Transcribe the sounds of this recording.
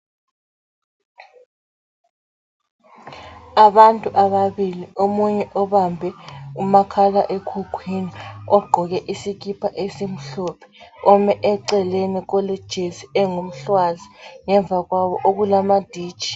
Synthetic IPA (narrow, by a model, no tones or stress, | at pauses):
aβantʼuʔaβaβiliomuɲɛʔɔβambʱɛumakʰalaʔekʰukʰwiniɔɡ͡ǃʱɔɣɛʔisikʼipʰaʔesim̩ɬɔpʰɛ̥ɔmɛʔɛǀɛlenikɔled̥ʒ̥ʱeziɛŋom̩ɬwaziŋɛɱvʱaɣwaβɔʔoɣulamad̥ʱi̥ːt͡ʃi̥